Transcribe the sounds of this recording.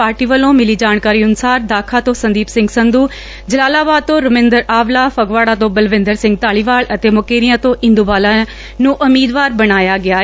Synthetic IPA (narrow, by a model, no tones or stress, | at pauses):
paːɾʈiːʋəlõːmɪliːd͡ʒaːɳkaːɾiːʊnsaːɾd̪aːkʰaːt̪õːsənd̪iːpsɪ̃ŋɡsənd̪uː | d͡ʒəlaːlaːbaːd̪̚t̪õːɾʊmɪ̃ːnd̪əɾaːʋlaːpəɡʋaːɽaːt̪õːbəlʋɪ̃nd̪əɾsɪ̃ŋɡ̚t̪aːɭiːʋaːlət̪eːmʊkeːɾijãːt̪õːʔɪ̃nd̪uːbaːlaː | nũːʔʊmiːd̪ʋaːɾbəɽaːjaːɡɪaː